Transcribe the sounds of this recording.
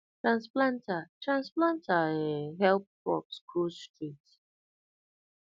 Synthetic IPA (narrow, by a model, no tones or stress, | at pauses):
tɹãnsplãntʰətʰɹãnsplãntʰəĩnɦɛlp̚kʰɔ̰pskʰulstʰɹit